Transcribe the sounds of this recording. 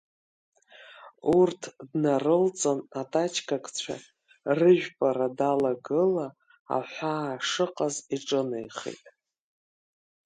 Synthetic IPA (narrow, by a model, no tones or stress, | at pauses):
urtʰdnarɨlt͡sʼanatʼat͡ʃʰkʰʼakʼt͡ɕʷʰa̰ | rɨʒᶣpʼaɾadalaɡɨla | a̰ħʷaːʂɨqʼaziʈ͡ʂʼɨnḛjχḛtʼ